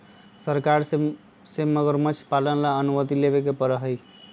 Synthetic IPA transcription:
səɾkaɾ | seməɡəɾmət͡ʃʰpalənlaənumət̪ilebekepəɾəɦəj

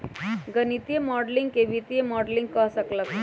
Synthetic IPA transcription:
ɡənit̪ijemɔɽliŋɡkeʋit̪ijemɔɽliŋɡ̚kəɦsəklək

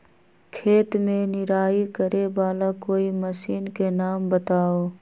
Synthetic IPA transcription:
kʰeːt̪mẽnɪɾaːikəɾebaːlakoːimɐsiːnkenaːmbət̪aːoː

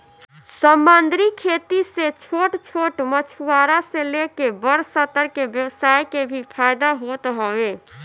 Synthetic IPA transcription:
səmbənd̪ʱɾikʰet̪iset͡ʃʰoʈt͡ʃʰoʈmət͡ʃʰuaɾaselekebəɾsət̪ːəɾkebjəwsajkebʱipʰajd̪aɦot̪ɦɔwe

